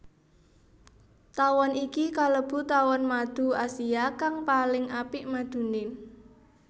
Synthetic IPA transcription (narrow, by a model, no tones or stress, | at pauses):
t̪awɔnikikaləb̥ṳt̪awɔnmad̪̥ṳasiakaŋpalɪŋʔapɪʔmad̪̥ṳnɪn